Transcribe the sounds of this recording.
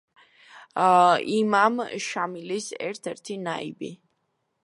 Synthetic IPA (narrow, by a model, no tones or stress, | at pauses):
imamʃamilisɛ̰ɾt̪ʰɛɾt̪ʰinaibi